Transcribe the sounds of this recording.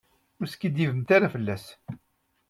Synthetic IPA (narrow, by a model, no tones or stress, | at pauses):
ʊɾskːid̪jivəmt̪aɾafəlːæs